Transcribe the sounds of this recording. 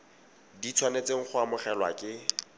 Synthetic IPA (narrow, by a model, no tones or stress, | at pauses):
dit͡sʰwanet͡seŋ̩χʊamʊχɛlwa̰kʼɪ